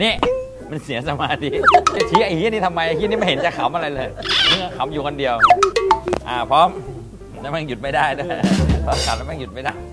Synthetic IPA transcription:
niː˦˥˩ | ma˧nsi˩˦ɐsa˧maː˧˩t̪ʰiː˧˦˩ka˧˩t̪ʰiː˦˥ʔa˧kʰiː˦˥˨ni˦˥t̪ʰa˧mːa˧jʔa˧kiː˦˥˨niː˦˥˩a˧˩he˩˦nt͡ɕa˨˩kʰa˨˦mʔa˧ɾa˧jlɤː˧jnɯ˧˩ŋa˧kʰa˨˦mjuː˨˩kʰɔ˧ndi˧əw | ʔaː˧˩pʰɾɔː˦˥m | laː˧˥mɛ˦˥˩ŋju˨˩t̪̚ma˥˩jdaː˥˩jnɯ˦˥jpʰɔː˦˥mka˨˦mla˧˥mɛː˥˩ŋju˨˩ma˥˩jdaː˥˩j

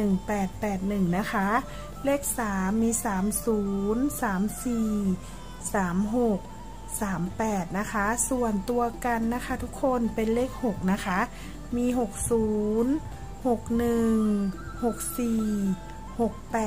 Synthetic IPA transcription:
ɯ˨˩ŋpɛː˨˩t̪̚pɛː˨˩t̪̚nɯ˨˩ŋna˦˥kʰa˦˥ | le˦˥˩k̚saː˨˩˦mːiː˧saː˩˦msuː˩˦nsaː˩˦msiː˨˩ | saː˩˦mɦo˨˩k̚ | saː˩˦mpɛː˨˩t̪̚na˦˥kʰa˦˥su˨˩ənt̪u˧ɐka˧nːa˦˥kʰa˦˧˥t̪ʰu˦˥kʰːo˧˥npe˧nleː˦˥˩k̚ho˨˩k̚na˦˥kʰa˦˥ʔ | miː˧ɦo˨˩k̚suː˩˦n | ho˨˩k̚nɯ˨˩˨ŋ | ho˨˩k̚siː˨˩ | ho˨˩k̚pɛː˨˩

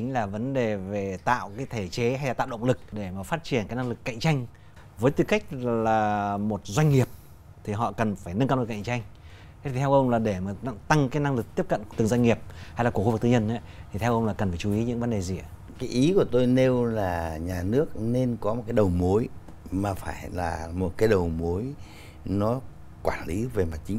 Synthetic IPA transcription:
t͡ɕi˨˦ŋ̟laː˨˩və˨˦nɗe˨˩ve˨˩t̪a̰ː˧˨wkaː˨˦jt̪ʰe˧˩t͡ɕe˨˦ɦa˧jlaː˨˩t̪a̰ː˧˨wɗə̰˧˨wŋ͡mlɨ˨˩k̚ɗe˧˩maː˨˩faː˦˥t̚t͡ɕi˧˩ənkaː˨˦jna˧ŋlɨ˨˩kːa̰˧˨jŋ̟t͡ɕa˧jŋ̟ | vəː˨˦jt̪ɨ˧ka˦˥k̟̚llaː˨˩mo˨˩t̚zwa˧ŋ̟ŋi˨˩əp̚ | t̪ʰi˨˩ɦɔ̰˧˨kə˨˩nfaː˧˩jnə˧nkaː˧˨˩ka̰˧˨ŋt͡ɕa˧jŋ̟˦ | t̪ʰi˨˩t̪ʰɛ˧wʔə˧wŋ͡mlaː˨˩ɗe˧˩maː˨˩˧t̪a˧ŋkaː˨˦jna˧ŋlɨ˨˩k̚t̪i˦˥əp̚kə̰˧˨nt̪ɨ˨˩ŋzwa˧ŋ̟ŋi˨˩əp̚ha˧jla˨ku˧˩xu˧v̚t̪ɨː˧ɲə˧nʔa˨˦t̪ʰi˨˩t̪ʰɛ˧wʔə˧wŋ͡mlaː˨˩kə˨˩n˩faː˧˩t͡ɕu˨˦i˨˦ɲɨ̰˧˥ŋvə˨˦nɗe˨˩zi˨˩a˨˦ | kaː˨˦jʔi˨˦ku˧˩ət̪o˧jne˧wlaː˨˩ɲaː˨˩nɨ˦˥ək̚ne˧nkɔ˨˦mo˨t̚kaː˨˦jɗə˨˩wmo˨˦j | maː˨˩faː˧˩jla̰ː˨˩mo˨˩t̚kaː˨˦jɗə˨˩wmo˨˦j | nɔ˨˦ | kwaː˧˩nli˨˦ve˨˩ma˨˩t̚t͡ɕï˨˦ŋ̟

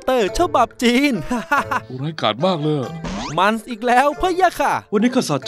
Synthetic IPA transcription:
t̪ɤː˨˩t͡ɕʰa˧ba˨˩p̚t͡ɕiː˧n˧ɾaː˧˥jka̰ː˨˩t̪̚maː˥˩k̚lɤː˧˩jma˧nsʔiː˨˩k̚lɛː˦˥wpʰa˦˥ja˧˥˩kʰa˧˩wa˧nːiː˦˥kʰa˧˥˩sa˨˦t̚t͡ɕ

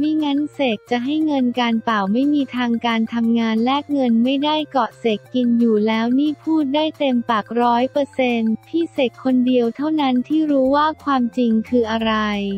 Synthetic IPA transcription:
miː˧˥ŋa˦˥nseː˨˩k̚t͡ɕa˨˩ʔɦa˥˩jŋɤ˧nkaː˧npa˨˩wma˥˩jmiː˧t̪ʰaː˧ŋkaː˧nt̪ʰa˧mŋaː˧nlɛː˥˩k̚ŋɤ˧nma˥˩jda˥˩jkɔ˨˩se˨˩kːi˧njuː˨˩lɛː˦˥wniː˥˩pʰuː˥˩t̪̚daː˥˩jt̪e˧mpa˨˩k̚ɾɔː˦˥jpɤː˧se˧np̪ʰiː˥˩se˨˩kkʰːo˧ndi˧əwt̪ʰa˥˩wna˦˥nt̪ʰiː˥˩ɾuː˦˥waː˥˩kʰwaː˧mt͡ɕi˧ŋkʰɯː˧ʔa˧ɾa˧j

